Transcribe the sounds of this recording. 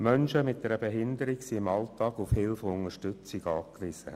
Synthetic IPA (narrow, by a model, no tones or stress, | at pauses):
mœnʃəmɪt̚d̥ɛɾəbeɦɪndəɾiksiɪmɑltɑːɡufhɪlfəʊŋəʃtʏt͡sɪɡɑːkʋɪsə̰